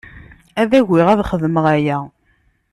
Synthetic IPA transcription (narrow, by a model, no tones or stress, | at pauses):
æðæʝɪʁæðχəðməʁæjæ